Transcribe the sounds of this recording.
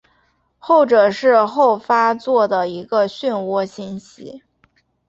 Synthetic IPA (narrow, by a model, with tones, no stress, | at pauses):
xo˥˩ʊʈ͡ʂɤ˨˩ʂɻ̩˥˧xo˥˩ʊfa˥t͡swɔ˥˩d̪ə˩i˧˥ɡə˧ɕy˥˧nwɔ˥˧ɕi˥˩nɕḭ˥